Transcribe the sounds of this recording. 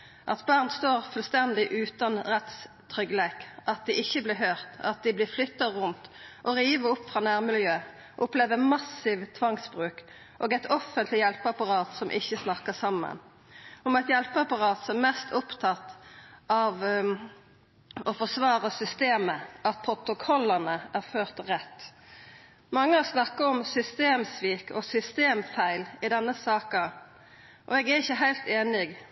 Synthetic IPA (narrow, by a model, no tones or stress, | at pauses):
ʔɑ̰t̪bɑʁnst̪oːʁfʉlst̪ɛnd̪ɪʔʉːt̪ɑnʁɛt̪s | t̪ʰʁʏɡleːkʔɑt̪̚d̪ɪʔɪçːəblɪɦøːʁt̪ɑt̪̚d̪ɪblɪflʏt̪ːɑʁʊnt̪ʔɔʁiːʋəɾʊpːfɾɑːnæːʁmɪljøː | ʔʊpleːʋəmɑsɪʋt̪ʰʋɑŋsbʁʉːk | ʔoːɡɛɪt̪ʰɔfənt̪ʰlɪjɛlpəɑpɑʁɑːt̪sɔmʔɪ̰çːəsnɑkəsɑmːə̰n | ɔmɛt̪jɛlpəɑpɑʁɑːt̪sɔmmɛst̪ʊpt̪ʰɑt̪ːɑʋ | ɔfɔsʋɑːʁəsʏst̪eːməʔɑt̪̚pʰʁʊt̪ʊkʰɔlːənəæʁføːʁt̪ʁɛt̪ː | mɑŋːəhɑsnɑkːɑɔmsʏst̪eːmsʋiːkɔsʏst̪eːmfæɪlɪd̪ɛnːəsɑːkɑ | ʔɔɛɡæɾɪçːəɦæɪlt̪eːnɪɡ